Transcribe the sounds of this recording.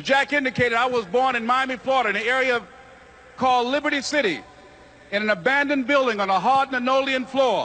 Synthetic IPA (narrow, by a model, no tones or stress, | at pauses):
ɨd͡ʒækɪ̃ndɨkʰeɪɾɨɾaɪwʌzbɔɹnɨ̃nmaɪmiflɔɾə˞ɨ̃niɛɹiɨʌv̥ | kʰɔlˠlɪbə˞ɾisɪɾi | ɨ̃nɨ̃nəbæ̃ndɨ̃nbɪlˠdɪ̃ŋə̃nəɦɑdⁿnɨnoʊlˠiɨ̃nflɔɹ